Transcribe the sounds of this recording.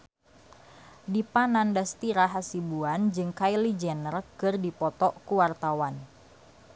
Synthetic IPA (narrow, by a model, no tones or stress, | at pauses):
dipanandast̪iɾaɦasibuand͡ʒɨŋkajlid͡ʒɛnərkɨrdipɔt̪ɔʔkuwart̪awan